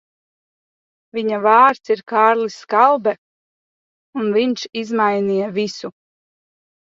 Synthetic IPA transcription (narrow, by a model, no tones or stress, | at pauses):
viɲavaːɾt̪siɾkaːɾliskalˠbɛ | unviɲʃizmajnijavisu